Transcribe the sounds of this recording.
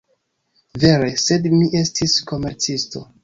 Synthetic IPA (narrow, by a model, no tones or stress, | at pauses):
ve̞ɾe̞se̞dmiʔe̞stisko̞me̞ɾt͡sisto̞̰